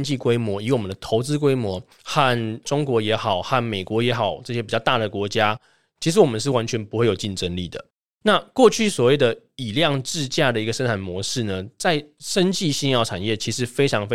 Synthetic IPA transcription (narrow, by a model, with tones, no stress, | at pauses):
nt͡ɕi˥˩kwe˥ɪmwɔ˧˥y˧˥wɔ˨˩mə˦nd̪ə˩t̪ʰo˧˥ʊt͡sɹ̩˥k̬we˥ɪmwɔ˧˦ | xa˥˨˩nʈ͡ʂʊ˥ŋkwɔ˧˥jɛ˧˥xɑ˨˩ʊxa˥˩nme˨˩ɪkwɔ˧˥jɛ˧˥xɑ˨˩ʊʈ͡ʂɤ˥˩ɕjɛ˥pi˨˩t͡ɕjɑ˥˧ʊt̪a˥˩d̪ə˩kwɔ˧˥t͡ɕja˥ | t͡ɕʰi˧˥ʂ̬ɻ̩˧˥wɔ˨˩mə˦ʂɻ̩˥˩wa˧˦nt͡ɕʰɥɛ˧˥npu˧˥xwe˥˩ɪjo˨˩ʊt͡ɕi˥˩nʈ͡ʂə˦nli˥˨˩d̪ə̰˩ | na˥˧kwɔ˥˧t͡ɕʰy˥˩swɔ˨˩we˥˩ɪd̪ə˩i˨˩ljɑ˥˧ŋʈ͡ʂɻ̩˥˧t͡ɕja˥˩d̪ə˩i˧˥ɡə˧ʂə˥nʈ͡ʂʰa˨˩nmwɔ˧˥ʂɻ̩˥˩nə˩t͡sa˥˩ɪʂə˦˥nt͡ɕi˥˧ɕi˥˧ŋjɑ˥˩ʊʈ͡ʂʰa˨˩njɛ˥˩t͡ɕʰi˧˥ʂɻ̩˧˥fe˥ɪʈ͡ʂʰɑ˧˥ŋfe˥